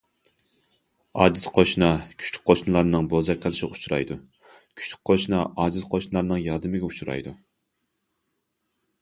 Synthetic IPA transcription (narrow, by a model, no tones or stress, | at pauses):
ɑːd͡ʒɨt̪qʰoʃnɑkʲʰy̥t͡ʃly̥k̚ʲqʰoʃnɨlˠɑɾnɨŋbozɑkʲqʰəlˠɨʃɪut͡ʃʰuɾɑ̰jd̪u | kʲʰy̥t͡ʃly̥k̚ʲqʰoʃnɑʔɑːd͡ʒɨzqʰoʃnɨlˠɑɾnɨŋjɑːd̪ɨmɪɡʲɛut͡ʃʰuɾɑ̰jd̪u